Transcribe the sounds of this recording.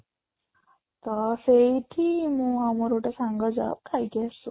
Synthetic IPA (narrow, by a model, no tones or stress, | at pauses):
t̪ɔsejʈʰimũamɔɾoʈesaŋɡɔd͡za̰p̚kʰajkasu